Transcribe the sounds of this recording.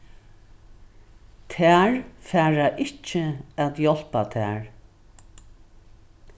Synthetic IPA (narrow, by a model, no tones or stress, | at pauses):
t̪ʰæːɹfæːɹaʔɪht͡ʃɪæːt̪jɔl̥pat̪ʰæ̰ːɹ